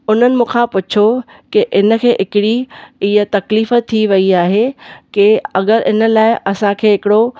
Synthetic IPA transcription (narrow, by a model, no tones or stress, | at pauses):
ʊn̤ənɪ̆mũːkʰãpʊt͡ɕʰo | kɪʔɪnə̆kʰeːʔɦɪkɪɽiɪjət̪ɐkliːfət̪ʰːiʋɐiaːɦekeɐɠəɾɪ̰nə̆laːɪʔɐsãkʰeːɦɪkɪɽo